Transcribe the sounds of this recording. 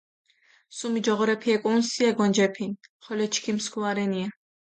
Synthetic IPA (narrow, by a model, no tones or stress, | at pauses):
sumid͡ʒɔʁɔɾɛpʰiɛkʼunsiɛɡɔnd͡ʒɛpʰinχɔlɛt͡ʃʰkʰimskʰuaɾɛnia